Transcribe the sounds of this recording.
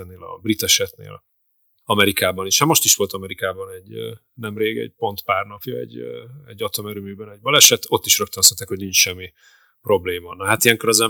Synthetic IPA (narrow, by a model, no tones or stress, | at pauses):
ɛneːlɒ̰brit̪ɛʃɛt̪nḛːl | ɒmɛɾikaːbɒniʃhamo̞ʃt̪iʃʋ̥o̞lt̪ɒmɛɾikaːbɒnɛɟ | nɛmreːɡɛ̰ɟ̚po̞nt̪paːrnɒpjɒ̰ɛ̰ɟːɛ̰ɟːɒt̪omøɾymyːbɛnɛɟ̚bɒlɛʃɛt̪o̞t̪ːiʃrøk̚t̪ønsɛt̪ːɛkho̞ɟniɲt͡ʃʃɛmːi | pro̞bleːmɒnɒɦat̪ijɛŋkoɾɒzɛ